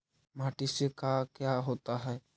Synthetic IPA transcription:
maʈisekakjaɦot̪aɦɔe

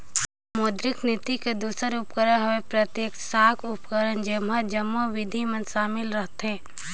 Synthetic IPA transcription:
moːd̪ɾɪknɪt̪iked̪uːsəɾʊpkəɾənɦɐʋẽpɾət̪jeːksaːkʰʊpkəɾənd͡ʒɪmɦad͡ʒəmːoʋɪd̪ʱimə̃nʃaːmɪlɾəɦt̪ɦɛ̃ː

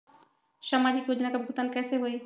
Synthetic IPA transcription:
ʃamad͡ʑikjod͡ʑonakabɡʱut̪ankɛseɦoj

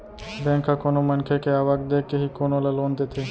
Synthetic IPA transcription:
bɛ̃ːŋkʰːakonomənkʰekeaːʋaɡd̪eːkːeɦikoːnolaloːnd̪et̪ʰeː

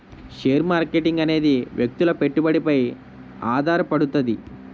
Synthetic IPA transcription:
ʃeːɾmaːɾkeʈiŋɡɐne̞ːd̪iʋjek̚t̪ulɐpe̞ʈːubɐɽipɐj | aːd̪ʱaːɾɐpɐɽut̪ɐd̪i

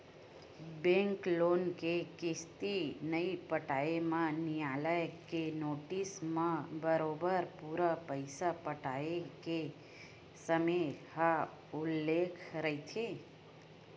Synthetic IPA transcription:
bẽŋkloːnkekɪst̪inəipəʈaːemãnijaləjkenoʈismãbəɾoːbəɾpuɾəpəɪsapəʈaeke | səməha | ʊlːekʰɾəɦit̪ʰe

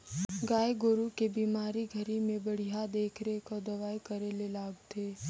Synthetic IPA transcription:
ɡaːeɡʊɾukebiːmaːɾiɡʱɐɾimẽbɐɽ̤ijad̪eːkʰɾekod̪ɐʋaːjkɐɾelelaːɡt̪ʰeː

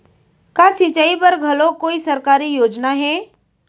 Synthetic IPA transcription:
kaːsɪt͡ʃaipɐɾɡʱɐlokoːisɐɾkaːɾijoːd͡ʒnaɦɛː

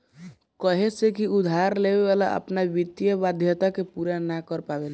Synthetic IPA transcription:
kəɦesekiud̪ʱaɾlebeβala̰ʔə̰pnabit̪jəbad̪ʱjət̪akepuɾanakəɾpabel

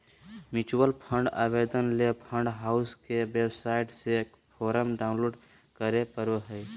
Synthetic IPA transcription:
mɪt͡ʃuwəlpʰə̃ɳɖa̰ːbed̪ənlepʰə̃ɳɖɦaːʊskeʋebsaːɪʈsek | pʰɔːɾəmɖaːʊ̃nloːɖ | kəɾepəɾoɦəj

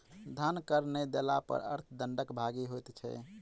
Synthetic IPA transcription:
d̪ʱənkəɾned̪ela̰pə̰ɾə̰ɾt̪ʰd̪əɳɖəkbʱaɡiɦojt̪t͡ʃʰɛ̰

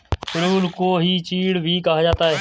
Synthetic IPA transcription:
kɪɽuːnkoːɦiːt͡ʃiːɽbʱiːkaɦad͡ʒaːt̪aːɦeː

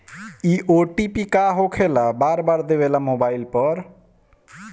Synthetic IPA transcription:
iʔoʈipikaɦokʰelabaɾbaɾd̪ebelamobajlpɔɾ

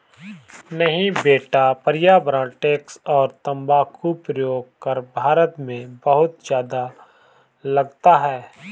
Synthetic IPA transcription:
nɐɦĩbeːʈapəɾɪjaːbɾãːʈeːksɔːɾt̪ɐ̃mbaːkʰupɾəjoːɡ̚kɐɾbʱaːɾət̪mẽbɐɦʊt̪d͡ʒjaːd̪a | lɐɡt̪aɦɛː

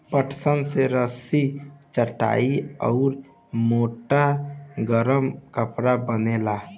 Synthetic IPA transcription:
pəʈsənseɾəsit͡ʃəʈa̰iɔʊɾ | moʈaɡəɾəmkəpɾabənela

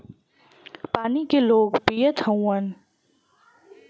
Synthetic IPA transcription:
paːnikeloːɡpijət̪ʰhɐ̃w̃ɐn

